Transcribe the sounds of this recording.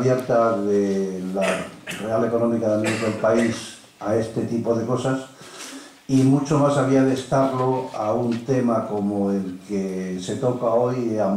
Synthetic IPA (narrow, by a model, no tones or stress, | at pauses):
βje̞ɾt̪aðelare̞ale̞ko̞nomikaðelneɾt̪ɾoelpais | ae̞st̪e̞t̪ipo̞ðe̞ko̞sas | imut͡ʃo̞masaβiaðe̞st̪aɾlo̞aunt̪e̞mako̞moe̞lkese̞t̪o̞kao̞jam